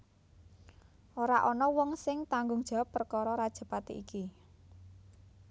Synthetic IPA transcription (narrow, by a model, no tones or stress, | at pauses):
ʔoɾaʔɔnɔwɔŋsɪŋt̪aŋɡʊŋd̥ʒ̥a̤wəpːərkɔɾɔɾad̥ʒ̥ə̤pat̪ḭʔiki